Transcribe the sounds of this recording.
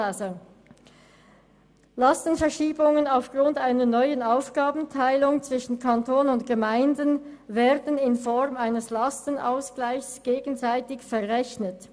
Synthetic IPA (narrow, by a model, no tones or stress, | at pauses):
lastən̩fɛɐʃiːbʊŋənaʊfɡ̥ʁʊntaɪnɐnɔʏənaʊfɡ̥aːbn̩tʰaɪlʊŋt͡sv̥ɪʃn̩kʰantʰoːnənʊntɡ̥əmaɪndənvɛːɐdənɪnfɔʁmaɪnəslastəna̰ʊsɡ̥laɪçsɡ̥eːɡən̩zaɪtɪçfɛɐʁɛçnət